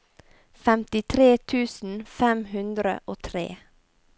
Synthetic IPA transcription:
fɛmt̪ɪt̪ʰɾeːt̪ʰʉːsn̩fɛmhʉnd̪ɾə̰ʔoːt̪ʰɾḛː

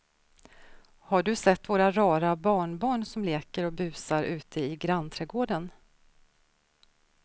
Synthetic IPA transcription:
haɖɵsɛt̪ːvoːɾaɾɑːɾabɑːɳbɑːɳsɔmleːkəɾɔbʉ̟ːsaɾʔʉ̟ːt̪ʰəɪɡɾant̪ʰɾɛːɡoːɖən

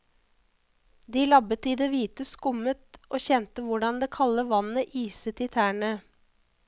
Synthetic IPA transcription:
d̪iːlɑbət̪iːd̪eːʋiːt̪əskʊmət̪ʔoːçɛnt̪əʋʊɖɑnd̪eːkʰɑləʋɑnəʔiːsət̪iːt̪ʰæːɳə

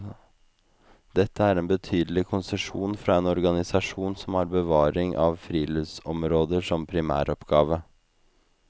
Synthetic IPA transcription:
d̪̥ɛt̪ʰːəæɾeːnbət̪ʰyːd̪əlɪkʰʊnsəʂuːnfɾɑːeːnɔɾɡɑnɪsɑʂuːnsɔmhɑɾbəʋɑːɾɪŋʔɑ̰ʋfɾiːlʏʋsɔmɾoːd̪əʂɔmpʰɾɪmæ̰ːɾɔpɡɑːʋə

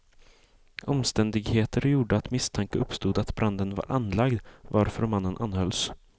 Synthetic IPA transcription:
ʔɔmst̪ɛnd̪ɪɡheːt̪əɾjuːɖəat̪mɪst̪ʰaŋkəɵpːst̪uːd̪at̪bɾʔand̪ənva̰ɾʔanːlaɡd̪vaɾfœɾmanːənʔanhœls

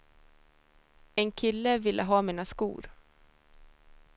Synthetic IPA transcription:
ɛnkʰɪlːəvɪlːʔəɦɑːmiːnaskṵːɾ

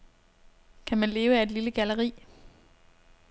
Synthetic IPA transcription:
kʰæmænle̝ːʊəæe̝d̥liləɡ̥æləʁḭː

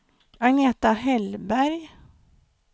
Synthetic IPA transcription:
aneːt̪aɦɛlbæɾj

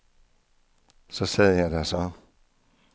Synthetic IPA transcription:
sɒsɛð̰ˠjɑ̈ɪdæsɒ

